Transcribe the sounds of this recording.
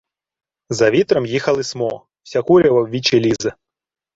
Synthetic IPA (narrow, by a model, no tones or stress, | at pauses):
zɐvʲit̪ɾɐmjixɐlˠɨsmɔ | wsʲakuɾʲɐvɐwʋʲit͡ɕelʲizɐ